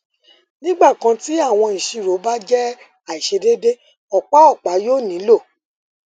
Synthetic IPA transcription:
nĩ˦ɡ͡ba˦˨kã˧ti˦a˦˨w̃ɔ̃˧ĩ˨ʃi˧˨ɾo˨˦ba˦d͡ʒɛ˦ | a˨i˨ʃe˧de˦de˦ | ɔ˨k͡pa˦ɔ˦˨k͡pa˨˦joː˦˨nĩ˨˦lo˦˨

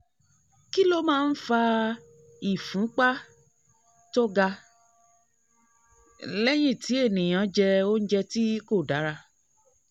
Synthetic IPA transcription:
ki˦lo˦mãː˦˧˦n̩˦fa˧ | i˨fũ˨˦k͡pa˦ | to˦ɡa˧ | lɛ˦j̃ĩ˦˨ti˨˦e˦˨nĩ˨j̃ã˨˧d͡ʒɛ˧o˦n̩˦d͡ʒɛ˧ti˦ko˦˨da˨˦ɾa˧

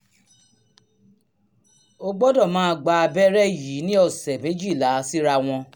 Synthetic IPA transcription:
o˧ɡ͡bɔ˦dɔ˦˨mãː˦˧ɡ͡ba˧a˧bɛ˦ɾɛ˦jiː˨˦nĩ˦ɔ˧˨sɛ˨mẽ˨˦d͡ʒi˦˨la˨˦si˦ɾa˧w̃ɔ̃˧

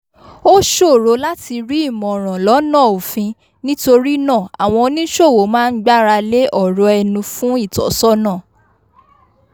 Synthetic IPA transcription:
o˦ʃo˦˨ɾo˧˦la˦ti˧ɾi˦i˦˨mɔ̃˨ɾ̃ã˨lɔ˨˦nã˦˨o˨fĩ˧ | nĩ˦to˧ɾi˦nã˦˨a˨w̃ɔ̃˧o˧˦nĩ˦ʃo˦˨wo˨˦mãː˦n̩˦ɡ͡ba˦ɾa˧le˦ʔɔ˦˨ɾɔ˧ɛ˧nũ˧fũ˦i˦˨tɔ̰˨˦sɔ˦nãː˦˨

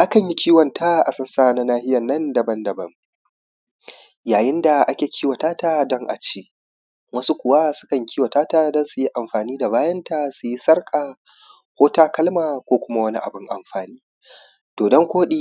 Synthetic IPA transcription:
ʔa˦kɐ˨ɲji˦kʲʰiː˦wɐ˨ntʰa˦ʔa˨sɐ˦nsaː˦˨na˦naː˦hɪ˦jɐ˨nːɐ˦ndɐ˨bɐ˦ndɐ˨bɐ˦ŋ | jaː˨jɪ˦nda˨ʔa˦kʲeː˨kʲʰiː˦wa˨taː˦ta˦dɔ˦ŋʔa̰˨t͡ʃeː˦ | wɐ˦su˦kʷʊ˨wa˦sʊ̥˦kɐ˨ŋkʲʰiː˦wa˨taː˦ta˦dɐ˦nsu˨ji˦ʔa˨mɸaː˨niː˦da˨baː˦jɐ˦nta˨su˨ji˦sɐ˦rkʼa˨ | hoː˦taː˦kɐ˦lmaː˨kʷoː˦kʷʊ˦ma˦wɐ˦ni˦ʔa̰˨bʊ˦ŋʔa̰˨mɸaː˨niː˦ | d̥oː˨dɔ˦ŋkʷoː˦ɗiː˦

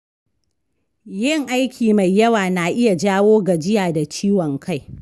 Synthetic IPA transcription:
jɪ˦˨ŋʔa˦jkʲiː˨ma˨jːɐ˦waː˨na˨ʔɪ˦ja˨d͡ʒaː˦woː˦ɡa˨d͡ʒɪ˦jaː˨da˨t͡ʃiː˦wɔ˨ŋkʰa˦˨j

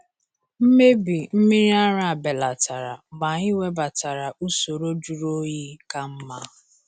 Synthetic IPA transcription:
m̩˦me˦bi˨m̩˦mi˦ɾi˦a˦ɾa˨a˨be˨la˨ta˨ɾa̰˨ɡ͡ba˨ɲi˦we˦ba˨ta˨ɾa˨ʔu˦so˨ɾo˦d͡ʒu˨ɾo˦ji˦ka˨m̩˦ma˦

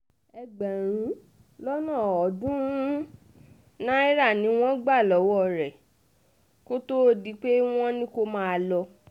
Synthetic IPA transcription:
ɛ˧ɡ͡bɛ˨ɾ̃ũ˨˦ | lɔ˦nã˦˨ɔ˨˦dũ˦ | nã˦i˦ɾa˦˨nĩ˨˦w̃ɔ̃˦ɡ͡ba˦˨lɔ˨˦wɔ˦˨ɾɛ˨ | ko˦to˦di˨˦k͡pe˦w̃ɔ̃˦nĩ˦ko˧mãː˦˧lɔ˧

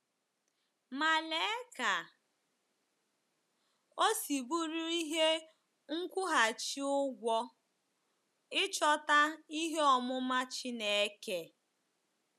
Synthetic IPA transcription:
ma˨le˨˦ka˨ | o˦si˨bu˦ɾu˦i˦ɦe˦ | ŋ̩˦kʷʊ˦ɦa˨t͡ʃi˦ʊ˦ɡʷɔ˦ | ɪ˦t͡ʃɔ˦ta˦i˦ɦe˦ɔ˨mʊ˦ma˦t͡ʃi˦ne˨e˦ke˨

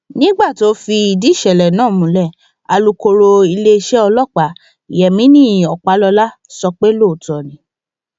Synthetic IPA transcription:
nĩ˦ɡ͡ba˦˨ti˨o˦fi˧i˧di˦ʃɛ˨lɛ˨nãː˦˨mũ˨˦lɛ˦˨ | a˨lu˧ko˧ɾo˧i˧le˦i˧ʃɛ˦ɔ˧lɔ˦˨k͡pa˨˦˨ | jɛ˨mĩ˨˦nĩ˦˨ɔ˨k͡pa˨˦lɔ˧la˦ | sɔ˧k͡pe˦lo˦˨tɔ˨nĩ˨˦

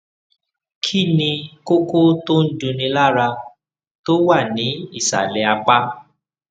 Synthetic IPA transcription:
kʰi˦˨nĩ˧ko˦ko˦to˦n̩˦dũ˧nĩ˧la˦ɾa˧ | to˦wa˦˨nĩ˨˦i˦˨sa̰˨lɛ˨a˧k͡pa˦

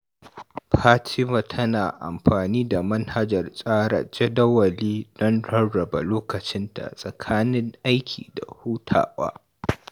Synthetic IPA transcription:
pʰaː˦tʰɪ˦mɐ˨tʰɐ˦naː˨ʔa̰˨mɸaː˨niː˦da˨mɐ˦nha˦d͡ʒɐ˨rsʼaː˦ɽa̰˨d͡ʒɛ˦dɐ˦wɐ˨liː˦d̥ɔ˦nɽɐ˦ɽɐ˨ba̰˨loː˦kɐ˨t͡ʃɪ˦ntʰa̰˨sʼɐ˨kʰaː˦nɪ˦ŋʔa˦jkʲʰḭː˨da̰˨huː˦tʰa̰ː˨wa̰ː˦

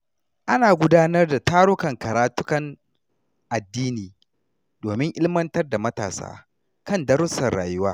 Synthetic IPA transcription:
ʔa˦naː˨ɡʷʊ˦daː˦nɐ˦rda˨taː˦ɾʊ˦kɐ˨ŋkɐ˨ɾaː˨tʊ˦kɐ˨ŋ | ʔa˨dːiː˦niː˨ | doː˨mɪ˦ŋʔɪ˦lmɐ˦ntɐ˦rda˨mɐ˦ta̰ː˨sa̰ː˦ | kɐ˦ndɐ˦ɾʊ˦sɐ˨rɽa̰ː˨jʊ˦waː˦

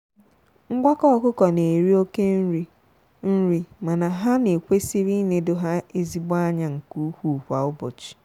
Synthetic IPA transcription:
ŋ̩˦ɡʷa˦kɔ˦˨kʊ˦kɔ˨ne˨ɾi˦o˦ke˦n̩˦ɾi˦ | n̩˦ɾi˦ma˨na˨ɦa˦ne˨kʷe˦si˦ɾi˦ne˨do˦ɦa˦e˦zi˦bʊ˦a˦ɲa˨ŋ̩˨ku˦hu˦˨hʷa˨ʊ˦bʊ̰˨t͡ʃi̥˨

